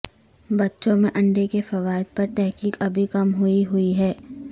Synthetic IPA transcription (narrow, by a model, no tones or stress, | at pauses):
bɐtːʃõmẽʔɐ̃ɳɖekefɐʋaːɪd̪̚pɐɾt̪ɛɦkiːkɐbʱikɐmɦʊiɦʊiɦɛː